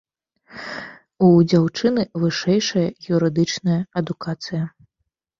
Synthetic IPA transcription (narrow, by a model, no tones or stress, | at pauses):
ud͡zʲawt͡ʂɨnɨvɨʂɛjʂɐjɐjʲuɾɨd̪ɨt͡ʂnɐjɐɐd̪ukat̪sɨjɐ